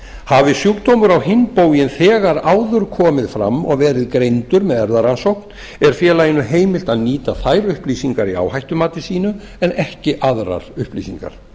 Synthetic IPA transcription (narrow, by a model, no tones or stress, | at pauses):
havɪsjukt̪owmʏɾawhɪnpowjɪnθɛːɣaɾawðʏɾkʰɔːmɪðfɾa̰mːɔ̰ɣvɛːɾɪðkɾejnt̪ʏɾmɛðɛɾðaɾansowkn̥ | ɛɾ̥fjɛːlaɪnːʏɦeːjmɪl̥t̪aðniːt̪aθajɾʏhpliːsiŋkaɾia̰whajht̪ʏmaːt̪ɪsiːnʏ | ɛnɛhcɪʔaðɾa̰ɾ̥ʏhplḭːsiŋka̰ɾ̥